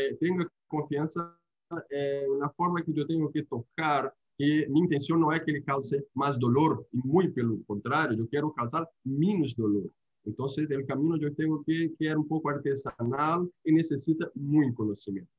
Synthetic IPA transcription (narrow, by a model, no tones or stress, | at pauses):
ɛt̪eŋɡok | kõɱfiãnsa | ɛunɐfoɾmaked͡ʒot̪ẽŋɡoket̪okaɾ | kemĩːnt̪ẽnsjõnːõɛkelekawsemazd̪oloɾimujpelokõnt̪ɾaɾjod͡ʒokjeɾokalsaɾmĩnuzd̪oloɾ | ẽnt̪õnses̬elkamĩnod͡ʒot̪eŋɡokekeeɾumpokoaɾt̪esanalenesesit̪amũjkonosimjẽnt̪o̥